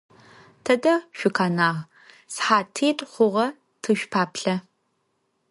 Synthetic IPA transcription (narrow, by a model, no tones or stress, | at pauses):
tʰɐdɐʃʷʊkʰaːnaːʁ | sħaːtʰiːtʼχʷʊʁɐ | tʰɨʃʷᶣpʰaːpɬɐ